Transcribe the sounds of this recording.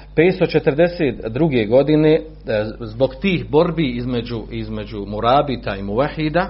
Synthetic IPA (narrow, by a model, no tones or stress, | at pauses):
pe̞ːt̪st̪o̞t͡ʃet̪əɾd̪e̞set̪d̪ɾuɡe̞ɡo̞d̪ine | zbo̞ɡt̪iːɦbo̞ɾbiizmed͡ʑuizme̞d͡ʒumuɾaːbit̪aimuwaħid̪a